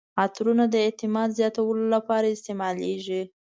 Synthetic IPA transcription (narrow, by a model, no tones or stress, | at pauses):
at̪ɾunad̪əɪt̪ɪmɑd̪zjɑt̪awəlolapɑɾaɪst̪emɑleʒi